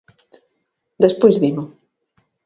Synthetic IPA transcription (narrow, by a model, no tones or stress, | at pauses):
d̪espojzðimʊ